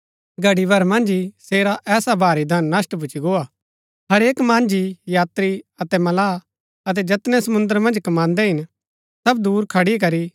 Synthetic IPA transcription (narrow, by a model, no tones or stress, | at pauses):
ɡʱɐɽibʱɐɾmɐ̃nd͡ʒiseːɾaʔɛːsabʱaːɾid̪ʱɐnːɐsʈbʱʊt͡ʃiɡoːaː | ɦɐɾeːkmãːnd͡ʒijaːt̪ɾiɐt̪ɛmɐlaː | ɐt̪̬ɛd͡ʒɐt̪nɛsɐmʊ̃nd̪əɾmɐ̃nd͡ʒkɐmãːnd̪ɛɦɪn | sɐb̚d̪uːɾkʰɐɽikɐɾi